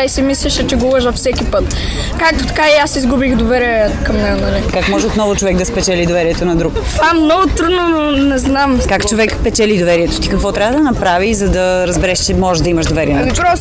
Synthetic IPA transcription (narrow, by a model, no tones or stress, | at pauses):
aisimislʲɛʃɛt͡ʃɛɡolˠəʒvɐfsɛkipɤt̪ | kak̚t̪o̥t̪ɐ̥kaiasizɡubixd̪ovɛɾiɛkɐmnɛɡonɐlikakmɔʒɛot̪nɔvʊt͡ʃovɛkd̪ɐspɛt͡ʃɛlid̪ovɛɾiɛt̪onɐd̪ɾuk | amnɔɡʊt̪ɾud̪nononɛznamkakt͡ʃovɛkpɛt͡ʃɛlid̪ovɛɾiɛt̪o̥t̪ikɐkvɔt̪ɾavəd̪ɐnɐpɾavizɐd̪ɐɾəzbɛɾɛʃt͡ʃɛmɔʒɛʒd̪ɐimɐʃd̪ovɛɾiɛnpɾɔ